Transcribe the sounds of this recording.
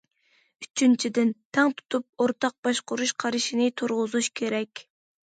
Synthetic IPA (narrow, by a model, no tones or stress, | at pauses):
yt͡ʃʰynt͡ʃʰid̪ɪnt̪ʰɛŋt̪ʰu̥t̪ʰup̚oɾt̪ʰɑq̚bɑʃqʊɾuʃqʰɑɾɨʃinɪt̪ʰoɾʁʊzuʃkʲʰeɾɛkʲ